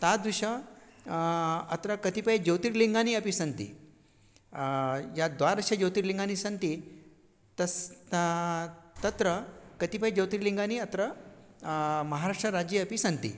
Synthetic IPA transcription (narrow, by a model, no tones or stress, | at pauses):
t̪ad̪ʋuɕə | ɐ̰t̪ɾəkət̪ipəjd͡ʑəwt̪iɾliŋɡaniəpisənt̪ḭ | jad̪ʋaɾəɕəd͡ʑəwt̪iɾliŋɡanisə̃nt̪i | t̪əs | t̪ət̪ɾəkət̪ipəjd͡ʑɐwt̪iɾliŋɡaniət̪ɾə | mɐɦaɾaʂʈɾəɾad͡ʑiəpisənt̪ḭ